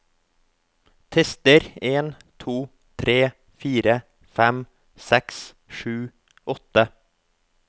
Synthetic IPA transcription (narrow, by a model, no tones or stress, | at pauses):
t̪ʰɛst̪əɾeːn | t̪ʰuː | t̪ʰɾeː | fiːɾə | fɛm | sɛks | ʃʉː | ʔɔt̪ə